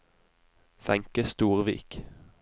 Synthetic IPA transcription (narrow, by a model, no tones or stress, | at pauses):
fɛŋkəst̪uːʁʋḭːk